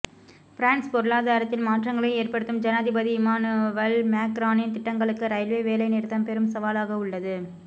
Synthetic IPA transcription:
fɪɾaːnspɔɾɯlaːðaːɾɐt̪ːɪlmaːʈrɐŋɡɐɭɐɪeːrpɐɽɯt̪ːɯmd͡ʒɐnaðɪbɐðiɪmaːnʋɐlmaːkɾaːnɪnt̪ɪʈːɐŋɡɐɭɯkːɯɾɐɪlʋeʋeːlɐɪnɪɾt̪ːɐmpɛɾɯmsɐʋaːlaːɣɐʊɭːɐðɯ

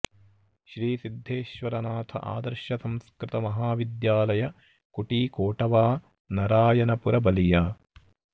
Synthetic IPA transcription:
ʃɾiːsid̪ʱːeːʃʋɐɾɐnaːt̪ʰɐ̰ʔa̰ːd̪ɐɾʃɐsɐmskɾɪt̪ɐmɐɦaːʋid̪jaːlɐjɐ | kuʈiːkoːʈɐʋaː | nɐɾaːjɐnɐpuɾɐbɐlijaː

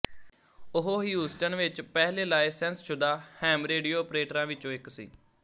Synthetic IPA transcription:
ʊɦoːɦiːuːsʈənʋɪt͡ʃpɛːɦleːlaːeːsɛ̃nst͡ʃʰʊd̪aːhɛːmɾeːɖijoːɔːpɾeːʈəɾãːʋɪt͡ʃõːɪksḭː

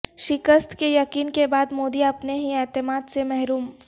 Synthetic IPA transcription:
ʃɪkəst̪kejɐkiːnkebaːd̪moːd̪iɐpneɦiɛːt̪ɪmaːd̪semɛɦɾuːm

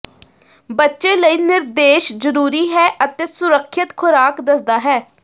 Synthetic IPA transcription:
bətːʃeːləiːnɪɾd̪eːʃzəɾuːɾiːɦɛːʔət̪eːsʊɾəkʰːət̪kʰʊɾaːkd̪əsd̪aːɦɛː

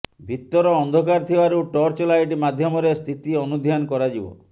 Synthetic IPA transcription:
bʱit̪ːɔɾɔɔnd̪ʱɔkaɾt̪ʰibaɾuʈɔɾt͡ʃelajʈimad̪ʱjɔmɔɾest̪ʰit̪iɔnud̪ʱjanɔkɔɾad͡ʒibɔ̰

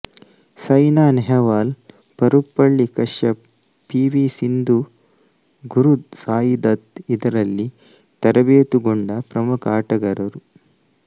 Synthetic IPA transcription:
sɐjnaːnɛɦɛʋaːl | pɐɾupːɐɭːikɐʂjɐ | piːʋiːsind̪u | ɡuɾusaːjid̪ɐt̪id̪ɐɾɐlːi | t̪ɐɾɐbeːt̪uɡoɳɖɐpɾɐmukaːʈɐɡɐɾɐɾu

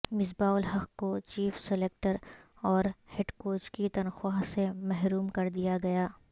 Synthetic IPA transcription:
mɪs̬baːʊlɦɐqkot͡ʃiːfseleːk̚ʈəɾ | ɔːɾheɖkoːt͡ʃkit̪ɐnxwasemɛɦɾuːmkɐɾd̪ijaɡɐjaː

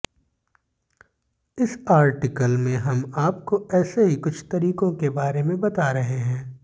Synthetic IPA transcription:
ɪsaːɾʈɪkəlmẽɦɐmaːp̚koɛːseɦikʊt͡ʃʰt̪ɐɾiːkõkebaːɾemẽbɐt̪aɾɐɦeɦɛ̃ː

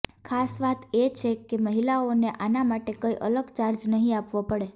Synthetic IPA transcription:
kʰasʋat̪et͡ʃʰekeməɦilaoneʔanamaʈekəiʔə̰ləɡt͡ʃaɾd͡ʒnəɦĩapʋopəɽe

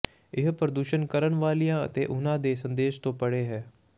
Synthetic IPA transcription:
ɪɦpɾəd̪uːʃənkəɾəɳʋaːlijãːə̰t̪eːʔʊnãːd̪eːsənd̪eːʃt̪õːpəɽeːɦɛː

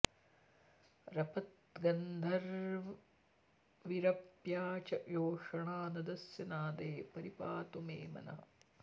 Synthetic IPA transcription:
ɾɐpɐt̪̚ɡɐnd̪ʱɐɾ | ʋiɾɐpjaːt͡ʃɐjoːʂɐɳaːnɐd̪ɐsjɐnaːd̪eːpɐɾipaːt̪umeːmɐ̰nɐ̰ɦɐ

